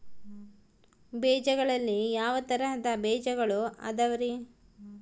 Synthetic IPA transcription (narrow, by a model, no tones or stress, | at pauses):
bɛːd͡ʒɐɡɐɭɐlːijaːʋɐt̪ɐɾɐɦɐd̪ɐbɛːd͡ʒɐɡɐɭuɐ̰d̪ɐʋɐɾi